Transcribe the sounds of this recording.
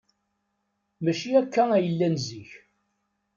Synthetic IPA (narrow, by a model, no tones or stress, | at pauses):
mæʃiækːææjəlːænziç